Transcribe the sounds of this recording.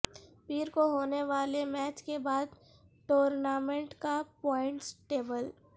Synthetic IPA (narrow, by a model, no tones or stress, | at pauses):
piːɾkoɦoːneʋaːlemɛːt͡ʃkebaːd̪ | ʈoːɾnaːmẽɳʈkapɔːɪ̃ɳʈsʈeːbəl